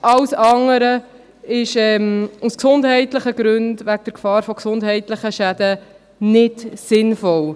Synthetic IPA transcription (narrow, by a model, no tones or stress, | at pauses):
ʔɑwsɑŋəɾə | ɪʃɛmusksʊndɦɛɪtləχəɡɾɵndʋæk̚d̥əɾkfɑːɾfɔksʊndɦɛɪtləχəʃæd̪ə | nɪdsɪnfɔl